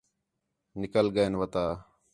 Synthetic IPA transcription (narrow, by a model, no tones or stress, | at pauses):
nɪkəlɡəenʋət̪aː